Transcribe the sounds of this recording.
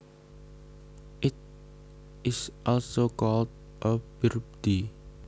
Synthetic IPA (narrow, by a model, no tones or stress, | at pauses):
ʔɪt̚ | ʔɪsʔɔlsokɔld̚ | ʔəb̥irp̚d̪̥i